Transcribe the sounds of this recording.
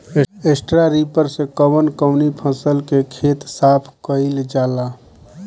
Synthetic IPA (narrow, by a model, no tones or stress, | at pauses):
eesʈɾaɾipəɾsekəbənkəʊnipʰə̃səlkekʰet̪sapʰkəɪld͡ʒala